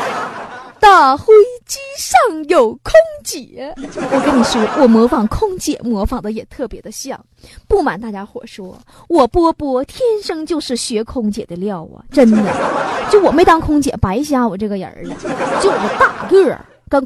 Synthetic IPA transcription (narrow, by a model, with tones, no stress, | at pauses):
t̪a˥˩xwe˥ɪt͡ɕi˥ʂɑ˥˩ŋjo˨˩ʊkʰʊ˥ŋt͡ɕjɛ˨˩˦wɔ˨˩ke˧˥nni˨˩ʂwɔ˥wʔɔ˨˩mwɔ˧˥fɑ˨˩ŋkʰʊ˥ŋt͡ɕjɛ̰˨˩˦mwɔ˧˥fɑ˨˩ŋd̪ə˦jɛ˨˩t̪ʰɤ˥˩pjɛ˧˥d̪ə˧ɕjɑ̰˥˩ŋ | pu˥˩ma̰˨˩nt̪a˥˩t͡ɕja˥xwɔ̰˥˩ʂwɔ˥ | wɔ˨˩pwɔ˥pwɔ˥t̪ʰjɛ˥nʂɤ˥ŋt͡ɕjo˥˧ʊʂɻ̩˥˩ɕɥɛ˧˥kʰʊ˥ŋt͡ɕjɛ̰˨˩d̪ə˦ljɑ˥˩ʊwɔ̰˨˩ʈ͡ʂə˥nd̪ə̰˨˩t͡ɕjo˥˩ʊwɔ˨˩me˧˥ɪt̪ɑ˥ŋkʰʊ˥ŋt͡ɕjɛ̰˨˩pa˧˥ɪɕ̬ja˥wɔ˨˩ʈ͡ʂɤ˥˩ɡə˩jə̰˧˥d͡z̩˧t͡ɕjo˥˩ʊwɔ˨˩d̪ə˦t̪a˥˧kə̰˥˩˨ | kɑ˥